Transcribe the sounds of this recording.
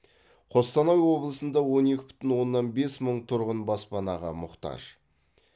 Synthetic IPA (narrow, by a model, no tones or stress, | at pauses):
qʰo̞st̪ɑnɑjwo̞blˠəsənd̪ɑwo̞ne̞kʲɪ̥bɪ̥t̪ɪnwo̞nːɑnbe̞sməɴt̪ʰʊɾʁənbɑspɑnɑʁə̰mʊqt̪ɑ̰ʒ̥